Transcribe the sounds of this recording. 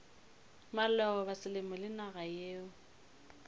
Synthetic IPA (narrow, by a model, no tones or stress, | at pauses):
malɛɔbasɪlɪmɔlɪnaɣajeːʊ